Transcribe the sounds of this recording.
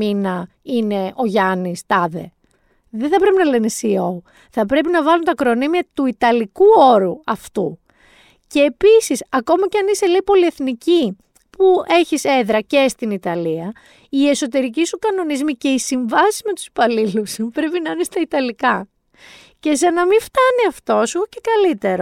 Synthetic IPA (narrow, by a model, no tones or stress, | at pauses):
inɐ | ine̞o̞ʝɐnist̪ɐðe̞̰ | ðeθɐpɾe̞pinɐlenesiou | θɐpɾe̞p̬inɐvɐlunt̪ɐkɾonimiɐt̪uit̪ɐlikuo̞ɾuɐft̪u | ce̞ːpisisɐko̞mɐceɐnise̞leipo̞lie̞θnici | pue̞çise̞ðɾɐce̞st̪init̪ɐliɐ | ie̞so̞t̪̬e̞ɾic̬isukɐno̞nizmice̞isiɱvɐsizme̞t̪u̥spɐliluspɾe̞pinɐɐnest̪ɐit̪ɐlikɐ | ce̞sɐnɐmift̪ɐniɐft̪o̞seocekɐlit̪e̞ɾo